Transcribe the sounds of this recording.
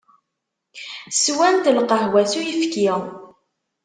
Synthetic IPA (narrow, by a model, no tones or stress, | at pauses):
swænt̪əlqəhwæsujəfki